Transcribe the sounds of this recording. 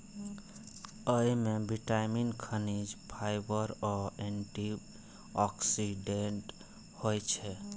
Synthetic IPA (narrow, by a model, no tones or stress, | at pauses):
əimebiʈajminkʰənid͡ʒpʰajbəɾɔeɳʈib | ɔksiɖeɳʈ | hojt͡ʃʰɛ